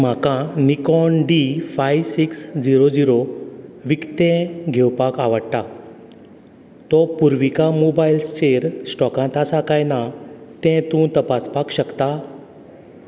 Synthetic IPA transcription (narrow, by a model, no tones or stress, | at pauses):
m̤akãnikɔnɖifajʋsiksd͡ʑiɾod͡ziɾoʋikt̪ẽɡʱewpakaʋəɽt̪a | t̪ɔpuɾʋikamobailst͡ɕeɾsʈɔkãt̪asakajnat̪ɛ̃t̪ũt̪əpaspakɕəkt̪a